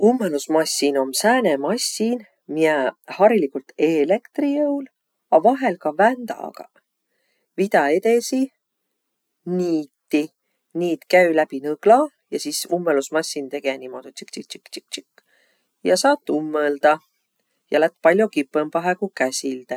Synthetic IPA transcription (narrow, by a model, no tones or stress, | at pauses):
umːelusmɑsʲːino̞msæːnemɑsʲːin | miæhɑɾilikːult̪e̞lekt̪rijɤwl | ɑvɑɦe̞lkɑvænd̪ɑ̰ɡ̥ɑ̰ | vid̪ɑet̪e̞si | niːt̪ːi | niːt̪kæylæb̥inɤɡ̥lɑ | jɑsisumːelusmɑsʲːint̪e̞ɡ̥enimod̪ut̪si̥kt͡ʃik̚t͡ʃi̥kt͡ʃi̥k̚t͡ʃi̥kː | jɑsɑːt̪ːˑumːəld̪̥ɑ | jɑ̰læt̪̚ːˑpɑlʲjo̞kipːəmpɑɦekukæsʲild̪̥e